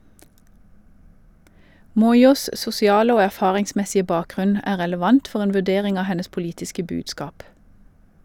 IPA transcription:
ˈmɔʏˌuːs sʊsɪˈɑːlə ˈoː æˈfɑːʁɪŋˌsmɛsɪə ˈbɑːˌkʁʉn ˈæː ʁɛləˈʋɑnt ˈfɔʁ ˈeːn ʋʉˈdeːʁɪŋ ˈɑː ˈhɛnəs pʊˈliːtɪskə ˈbʉːdskɑːp

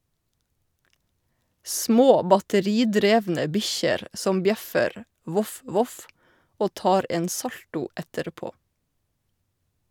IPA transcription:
ˈsmoː bɑtəˈɾiːˌdɾeːʋnə ˈbɪçəɾ ˈsɔm ˈbjɛfəɾ ˈʋʊf ˈʋʊf ˈoː ˈtɑːɾ ˈeːn ˈsɑltʊ ˈɛtəɾˌpoː

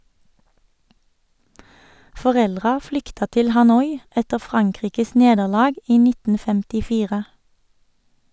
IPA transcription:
fɔˈʁɛlʁɑ ˈflʏktɑ ˈtɪl hɑˈnɔʏ ˈɛtə ˈfʁɑŋˌkʁiːkəs ˈneːdəʁˌlɑːɡ ˈiː ˈnɪtn̩ fɛmtɪˈfiːʁə

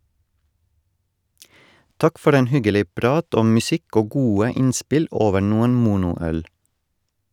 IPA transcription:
ˈtɑk ˈfɔɾ ˈeːn ˈhʏɡəˌliː ˈpɾɑːt ˈɔm mʉˈsɪk ˈoː ˈɡuːə ˈɪnspɪl ˈoːʋə ˈnuːən ˈmuːnʊˌœɽ

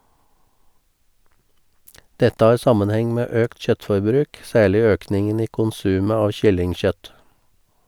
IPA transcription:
ˈdɛtə ˈɑːɾ ˈsɑmənˌhɛŋ ˈmeː ˈøːkt ˈçœtfɔɾˌbɾʉːk ˈsæːɭɪ ˈøːknɪŋən ˈiː kʊnˈsʉːmə ˈɑːʋ ˈçʏlɪŋˌçœt

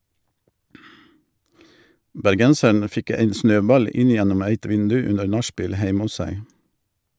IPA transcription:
bæɾˈɡɛnsəɳ ˈfɪk ˈæɪn ˈsnøːˌbɑl ˈɪn ˈjɛnɔm ˈæɪt ˈʋɪndʉ ˈʉnəɾ ˈnɑˌʃpiːl ˈhæɪm ˈʊs ˈsæɪ

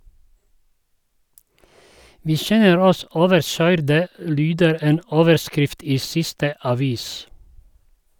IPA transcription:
ˈʋiː ˈʃɛnəɾ ˈɔs ˈoːʋəɾˌʃœʏɾdə ˈlyːdəɾ ˈeːn ˈoːʋəɾˌskɾɪft ˈiː ˈsɪstə ɑˈʋiːs

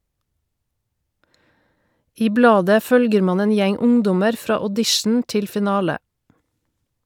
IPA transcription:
ˈiː ˈblɑːdə ˈfœlɡəɾ ˈmɑːn ˈeːn ˈjɛŋ ˈʊŋˌdɔməɾ ˈfɾɑː ɔˈdɪʃn̩ ˈtɪl fɪˈnɑːlə

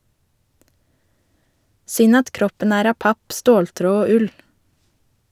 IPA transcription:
ˈsʏn ˈɑt ˈkɾɔpən ˈæːɾ ˈɑːp ˈɑp ˈstoːlˌtɾoː ˈoː ˈʉl

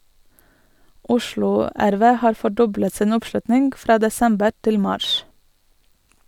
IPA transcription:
ˈʔʊʃlʊ ˈæɾˌʋeː ˈhɑːɾ fɔˈɖɔblət ˈsiːn ˈʊpˌʃlʉtnɪŋɡ ˈfɾɑː dɛˈsɛmbəɾ ˈtɪl ˈmɑːʃ

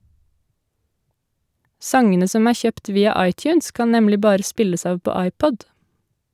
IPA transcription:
ˈsɑŋənə ˈsɔm ˈæː ˈçøːpt ˈʋiːɑ ˈɑɪˌtjʉːns ˈkɑn ˈnɛmlɪ ˈbɑːɾə ˈspɪləs ˈɑːʋ ˈpoː ˈɑɪˌpɔd

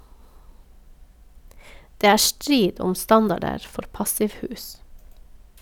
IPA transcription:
ˈdeː ˈæː ˈstɾiːd ˈɔm ˈstɑndɑɖəɾ ˈfɔɾ ˈpɑsɪʋˌhʉːs

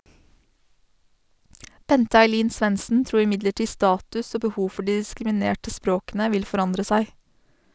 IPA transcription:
ˈbɛntə ɑɪˈliːn ˈsʋɛnsn̩ ˈtɾuːɾ ɪˈmɪdləˌʈiː ˈstɑːtʉs ˈoː bəˈhuː ˈfɔ ˈɖiː ɪskɾɪmɪˈneːʈə ˈspɾoːkənə ˈʋɪl fɔˈɾɑndɾə ˈsæɪ

